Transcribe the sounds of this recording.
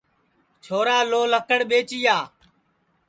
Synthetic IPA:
t͡ʃʰoːɾaːloːləkəɽɓeːt͡ʃiːjaː

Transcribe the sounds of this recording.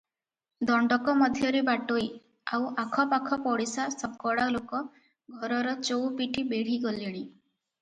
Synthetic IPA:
d̪ɔɳɖɔkɔmɔd̪ʱjɔɾebaʈoj | awʔakʰɔpakʰɔpɔɽisasɔkɔɽalokɔ | ɡʱɔɾɔɾɔt͡ʃowpiʈʰibeɽ̤iɡɔleɽi

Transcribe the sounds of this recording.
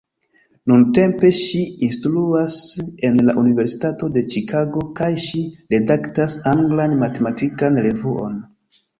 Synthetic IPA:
nunte̞mpe̞ʃiinstluase̞nlaʔunive̞ɾsi̥tato̞de̞t͡ʃikʰaɡo̞kajʃiɾe̞daktasaŋɡlanmate̞matikanɾe̞vuʔo̞̰n

